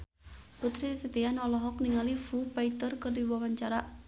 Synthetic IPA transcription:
put̪ɾid̪it̪ət̪ianɔlɔɦɔk̚niŋalifupait̪ərkərdiwawaɲt͡ʃaɾa

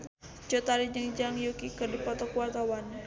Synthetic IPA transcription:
t͡ʃot̪aɾid͡ʒəŋd͡ʒaŋjukikərdipɔt̪ɔkuart̪awan

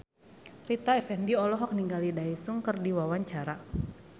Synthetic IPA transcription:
rit̪aɛfɛndiɔlɔɦɔk̚niŋɡalidaisuŋkɨrdiwawaɲt͡ʃaɾa

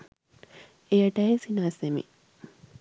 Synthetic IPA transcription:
ejɐʈɐjesinaːsemḭ

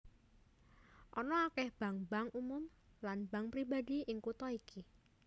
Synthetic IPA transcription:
ʔɔnɔakɛhb̥a̤ŋbaŋumʊmlanbaŋpɾibadiʔɪŋkut̪ɔiki

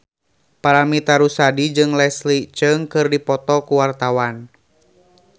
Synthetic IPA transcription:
paɾamit̪aɾusadid͡ʒɨŋlɛslit͡ʃɨŋkɨrdipɔt̪ɔkuwart̪awan

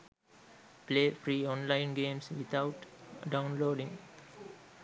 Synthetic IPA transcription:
pleːfɾiːɔ̃nlaɪnɡẽːmsʋit̪ʰaʊʈɖaʊnloːɖĩŋ

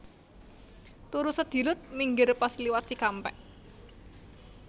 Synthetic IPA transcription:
t̪uɾusəd̪̥i̤lʊt̪̚miŋɡɪrpasliwat̪ikampɛ̰ʔ

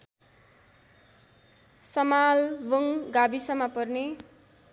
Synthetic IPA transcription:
sʌmalbʌŋɡabisʌmapʌrne

